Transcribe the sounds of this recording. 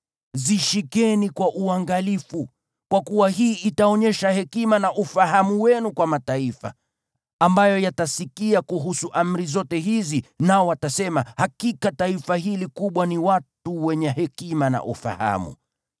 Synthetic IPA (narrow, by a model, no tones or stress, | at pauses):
ziʃikɛnikwaʔuaŋɡalifu | kwakuwaɦiːʔitaɔɲɛʃahɛkimanaʔufaɦamuwɛnukwamataifa̰ː | mbajɔjatasikiakuɦusuʔam̩ɾizɔtɛhizinaɔwatasɛmahakikataifahiːlikuɓwaniwatuwɛɲɛhɛkimana̰ʔṵfa̰ha̰mṵ